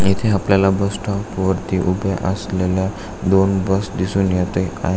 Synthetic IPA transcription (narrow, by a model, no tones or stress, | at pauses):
it̪ʰeapljalabəsʈɔpʋəɾt̪iʔubʱeʔəslelja | d̪onbəsd̪isuːnjat̪ea̰ɦ